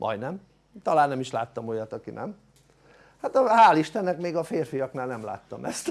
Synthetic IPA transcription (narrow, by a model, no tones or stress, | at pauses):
mʔɒ̰jd̪nɛm | t̪ɒlaːnːɛmiʃlaːt̪ːɒmo̞jɒt̪ɒkinɛ̰m | hat̪ɒhaːliʃt̪ɛnːɛkmeːɡɒfeːrfijɒknaːlnɛmla̰ːt̪ːɒmɛst̪